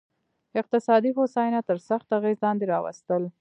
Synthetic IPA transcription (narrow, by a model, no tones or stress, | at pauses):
ɪq̚t̪ɪsɑd̪iɦosɑjnat̪əɾsaxt̪aɣezlɑnd̪eɾɑwa̰st̪əl